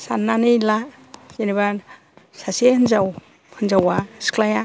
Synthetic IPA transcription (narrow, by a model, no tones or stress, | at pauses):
sanːanɯjla | keniba | sasehɯnzaw | hɯnzawaskʰlaja